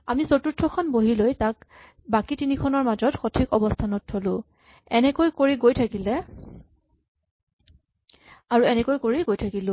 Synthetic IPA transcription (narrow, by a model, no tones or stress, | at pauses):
amisotutʰɹɔkʰɔnboɦilojtak | bakitinikʰɔnɔɹmazɔtxotʰikɔbɔstʰanɔtʰːolʊ̃ | ɛnɛkojkoɹiɡojtʰakilɛ | aɹuɛnɛkojkoɹiɡojtʰakilʊ̃